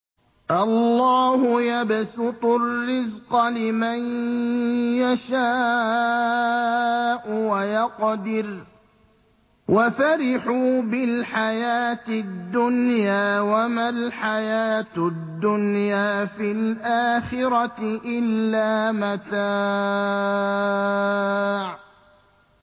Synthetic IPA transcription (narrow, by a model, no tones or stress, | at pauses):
ʔɑlːɑːhʊjabsʊt̪ˤʊrːɪzqɑlɪman | jaʃaː | ʔʊwajɑqd̪ɪɾ | wʔafaɾɪħuːbɪlħajaːt̪ɪd̪ːʊnjaːwamalħajaːt̪d̪ːʊnjaːfilʔaːxɪɾɑʔɪlːaːmat̪a | ʕ